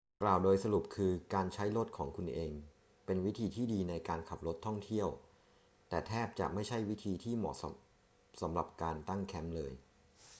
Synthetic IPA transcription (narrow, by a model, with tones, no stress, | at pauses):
klaː˨˩wdoː˧jsa˧ɾu˨˩p̚kʰɯː˧kaː˧nt͡ɕʰa˦˥jlo˦˥˩t̪̚kʰɔː˩˦ŋkʰu˧nʔeː˧ŋ | pe˧nwi˦˥t̪ʰiː˧t̪ʰiː˥˩diː˧na˧jkaː˧nkʰa˨˩p̚lo˦˥t̪ʰːɔ˥˩ŋt̪ʰi˥˩əw | t̪ɛː˨˩t̪ʰɛː˥˩p̚t͡ɕa̰˨˩ʔma˥˩jt͡ɕʰa˥˩jwi˦˥t̪ʰiː˧t̪ʰiː˥˩mɔː˨˩k̚s | sa˩˦mɾa˨˩p̚kaː˧nt̪a˥˩ŋkʰɛ˦˥mlɤː˧j